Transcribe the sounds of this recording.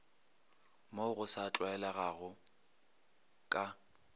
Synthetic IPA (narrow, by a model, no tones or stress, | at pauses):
moʊɣʊsat͡ɬʼwaɛlaɣaɣʊ | kʼa